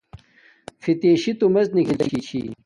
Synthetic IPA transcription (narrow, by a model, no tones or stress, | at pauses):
fit̪eːɕit̪umɐznikilɐ̰iɕḭ